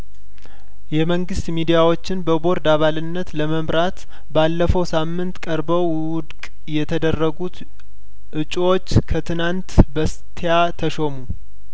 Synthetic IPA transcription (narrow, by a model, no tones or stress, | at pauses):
jɛməŋɡɨst̪mid̪ijawo̞t͡ʃːɪnbəbo̞ɾd̪aβalɨnːət̪ləməmɾat̪ | balːəfəwsamːɨnt̪kʼəɾbəw | wʊd̪kʼ | jɛt̪ʰəd̪ərːəɡut̪ | ʔɨt͡ʃʼːwo̞t͡ʃːkʰət̪ʰɨnant̪bəst̪ʰejat̪ʰəʃo̞mu